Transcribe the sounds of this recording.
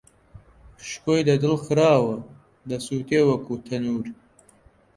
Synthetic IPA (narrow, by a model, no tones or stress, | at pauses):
ʃkojd̪ɐd̪ɪlxɾɑːwɐ | d̪ɐsuːt̪ewɐkut̪ʰɐnuːɾi